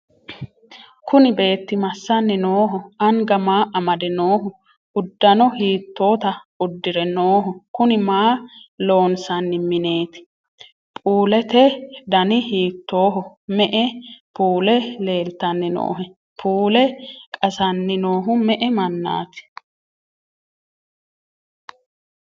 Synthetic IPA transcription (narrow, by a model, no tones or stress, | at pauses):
kʊnɪbe̞ːt̪ːɪmɐsːɐnːɪnoːɦʊɐŋɡɐmaːʔɐmɐd̪ɛnoːhʊ | ʊd̪ːɐnɔhiːt̪ːo̞ːt̪ɐʊd̪ːɪɾɛnoːɦʊkʊnɪmaːlo̞ːnsɐnːɪmɪne̞ːt̪ɪ̥ | pʼuːlɛt̪ɛd̪ɐnɪhiːt̪ːo̞ːɦʊmɛʔɛpʰuːlɛle̞ːlt̪ɐnːɪno̰ːɦɛ | pʰuːlɛkʼɐsɐnːɪnoːɦʊmɛʔɛmɐnːa̰ːt̪ɪ̥